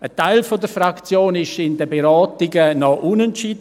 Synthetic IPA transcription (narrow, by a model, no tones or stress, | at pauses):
ətaɪlfodəɾfrakt͡sjoːnɪʃɪndəbeɾaːtɪɡənɔʔʊnɛntt͡ʃiːd